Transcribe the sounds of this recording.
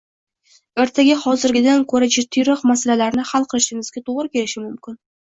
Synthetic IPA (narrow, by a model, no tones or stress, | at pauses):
eɾt̪ʰaɡʲaχɒzɪɾɡʲɪd̪ankʰɵɾad͡ʒɪɾt̪ʰːyjɾɒqmasalalaɾnɪhalˠqʰɨlˠɪʃɪŋɪzɡʲat̪ʰoʁɾɪkʲe̞lɪʃɪmʊmkʲɪn